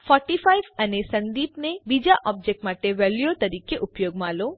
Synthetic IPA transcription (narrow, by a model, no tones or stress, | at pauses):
fɔɾʈifʰajʋənesə̃nd̪iːpnebid͡ʒaʔɔb̚d͡ʒek̚ʈmaʈeʋeljot̪ɐɾiːkeʔupjoɡ̚mãlo